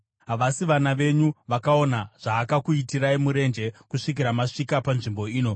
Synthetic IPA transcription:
ɦaʋasiʋanaʋe̞ɲuʋakao̞naʐ̥aːkakuitiɾaimuɾe̞nd͡ʒe̞kuʂik̬iɾamaʂikapanʐimbo̞iːno̞

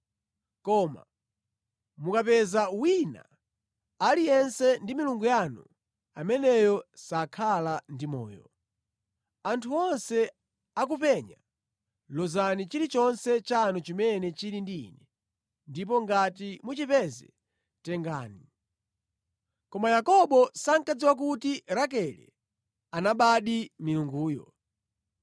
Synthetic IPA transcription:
kɔma̰ | mukapɛzawina̰ | alijɛnsɛndimiluŋɡujanu | amɛnɛjɔsakʰalandimɔ̰ːjɔ | antʰuɔnsɛ | ak̬upɛɲa̰ | lɔzanit͡ʃiɾit͡ʃɔnsɛt͡ʃanut͡ʃimɛnɛt͡ʃiɾindiinɛ | ndip̬ɔŋɡatimut͡ʃipɛzɛ | tɛŋɡaːni | kɔmajakɔɓɔsaŋkad͡ziwak̬utiɾakɛlɛ̰ | anaɓaɗimiluŋɡuːjɔ̰

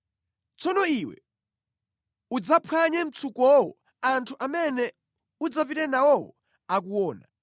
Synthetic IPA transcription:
t͡sɔnɔiwɛ̰ | ud͡zapʰwaɲɛm̩t͡sʰukɔwɔ̰ | antʰuʔamɛnɛ | ud͡zafitɛnawɔwɔ̰ | ak̬uwɔːna

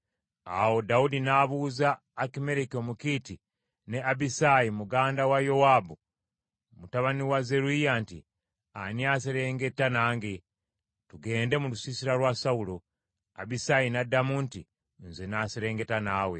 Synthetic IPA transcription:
a̰wo̞daudinaβuːzaː | kime̞ɾekio̞mukiːti | ne̞abisajimuɡaːndawajo̞waːbu | omutaβaniwaze̞ɾuijanti | aniaːseɾe̞ːŋɡe̞tːanaːŋɡe | tuɡe̞ːnde̞mulusisiɾalwasaulo | a̰bisajinadamunti | nzenaseɾe̞ːŋɡe̞tanaːwe̞

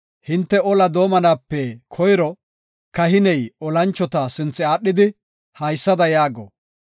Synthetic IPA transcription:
hɪnt̪ːɛɔlɐd̪o̞ːmɐnaːpːɛkʰɔjɾɔ | kɐɦɪnɛjɔlɐnt͡ʃːɔt̪asɪnt͡sːɪaːɗːɪd̪ɪ | hɐjsːɐd̪ɐjaːɡɔ̰

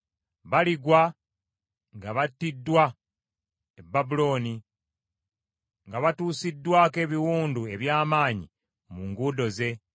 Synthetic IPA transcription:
βaliɡwa | ŋɡaβatːidːwa | ebːabulo̞ːni | ŋɡaβatuːsidːwaːke̞ːβiwuːndue̞βjaːmaːɲi | muŋɡudo̞ze̞

